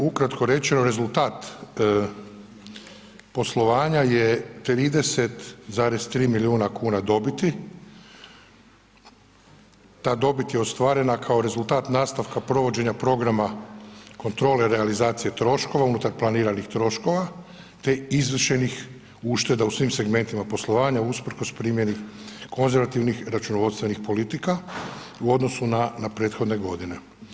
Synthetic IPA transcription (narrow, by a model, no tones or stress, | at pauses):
ukɾat̪ko̞ɾe̞t͡ʃe̞noɾe̞zult̪aːt̪ | po̞slˠo̞ʋaːɲajet̪ɾiːd̪e̞se̞t̪zaːɾe̞st̪ɾiːmiliuːnakuːnad̪o̞bit̪i | t̪aːd̪o̞bit̪jeost̪ʋaːɾe̞nakʰao̞ɾe̞zulˠt̪aːt̪naːst̪aʋkapɾo̞ʋo̞d͡ʑe̞ɲapɾo̞ɡɾamako̞nt̪ɾo̞ːle̞ɾealizaːt̪sije̞t̪ɾo̞ʃko̞ʋaunut̪aɾplˠaniːɾanixt̪ɾo̞ʃko̞ʋa | t̪e̞izʋərʃe̞nix | uʃt̪e̞d̪ausʋiːmse̞ɡme̞nt̪imapo̞slˠo̞ʋaːɲauspɾ̩kospɾiːmje̞niko̞nze̞ɾʋat̪iʋnixɾat͡ʃunoʋod̪st̪ʋe̞nixpo̞lit̪ika | uo̞d̪no̞sunanapɾe̞ːt̪xo̞d̪ne̞ɡo̞d̪ine̞